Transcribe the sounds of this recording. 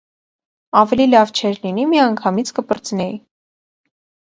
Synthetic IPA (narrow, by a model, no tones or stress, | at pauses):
ɑvɛlilɑvt͡ʃʰɛɾlinimiɑŋkʰɑmit͡sʰkəpəɾt͡snɛi